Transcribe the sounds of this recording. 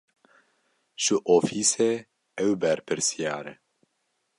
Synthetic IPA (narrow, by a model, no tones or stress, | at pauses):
ʃɨʔofiːse | ɛwbɛɾpɨɾsijaːɾḛ